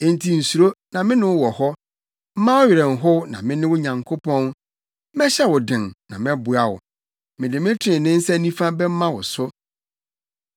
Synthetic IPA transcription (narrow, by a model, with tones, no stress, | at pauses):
n˦tʰi˨n̩˨su˨ɾo˦nã˨mɪ̃˦nʊ̃˦wwɔ˨hɔ˦ | m̩˦mã˦wʊ˦ɥɪ˨ɾɛ˨n̩˨ɦʊ˦wnã̰˨mɪ̃˦nɪ̃˦wʊ˦ɲã˨ŋkʰo˦pʰɔ̃˦n˦ | mɛ̃˦ɕɛ˦wʊ˨dɪ̃˨nnã˨mɛ̃˦bʊ˨a˨wʊ̰˨ | mɪ̃˨dɪ˨mɪ̃˦tʰɪ˦ɪ̃˨nɪ̃˦n̩˦sɛ˦nĩ˦fã˦bɛ˦m̩˦mã˦wʊ˨sʊ˦